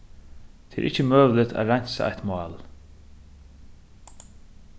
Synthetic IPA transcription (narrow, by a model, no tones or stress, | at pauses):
t̪ʰeɛ̰ɾʔɪt͡ʃəmøːʋlɪt̪ʰa̰ːɾaɲ̥sa̰a̰ht̪mɑːl